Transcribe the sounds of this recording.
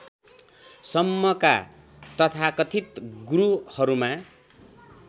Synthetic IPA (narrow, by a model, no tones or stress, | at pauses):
sʌmːʌka̰ | t̪ʌt̪ʰakʌt̪ʰit̪ɡuɾuhʌɾuma